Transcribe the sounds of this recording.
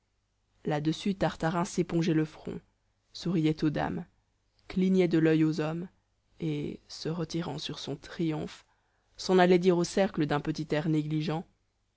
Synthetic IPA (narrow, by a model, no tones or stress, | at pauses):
lad̪əsyt̪aʁt̪aʁɛ̃sepɔ̃ʒɛləfχɔ̰̃ | suʁijɛt̪od̪a̰m | kliɲɛd̪əlœjozɔm | esəʁət̪iʁɑ̃syʁsɔ̃t̪χijɔ̰̃f | sɑ̃nalɛd̪iʁosɛʁkləd̪ɛ̃pət̪it̪ɛʁneɡliʒɑ̃